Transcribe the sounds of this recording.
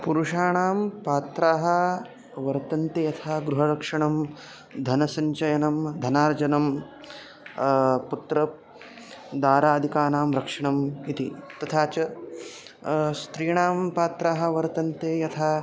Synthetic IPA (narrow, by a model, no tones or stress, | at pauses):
puɾuʂaːɳaːmpaːt̪ɾaːɦɐ̆ | ʋɐɾt̪ɐnt̪ejɐt̪ʰaːɡɾuɦɐɾɐkʂɐɳɐm | d̪ʱɐnɐsɐɲt͡ʃɐjɐnɐmd̪ʱɐnaːɾd͡ʒɐnɐm | put̪ɾɐ | d̪aːɾaːd̪ʱikaːnaːmɾɐkʂɐɳɐmit̪it̪ɐt̪ʰaːt͡ʃɐ | st̪ɾiːɳaːmpaːt̪ɾaːɦɐ̆ʋɐɾt̪ɐnt̪eːjɐt̪ʰaː